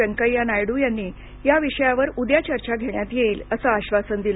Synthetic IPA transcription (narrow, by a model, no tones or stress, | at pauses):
əŋkəjanajɽujanːiː | jaʋiʂəjaʋəɾud̪jat͡ɕəɾt͡ɕaɡʱeɳjat̪jeiːləsəːɕʋasənd̪il